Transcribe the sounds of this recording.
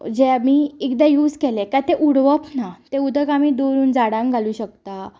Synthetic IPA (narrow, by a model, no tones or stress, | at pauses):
d͡ʑemiːikd̪ajuːd͡zkɛlɛ̃kat̪eʔuɽʋəpnat̪ẽud̪ʱəkamiːd̪oɾuːnd͡zaɽãŋɡʱaluːɕəkt̪a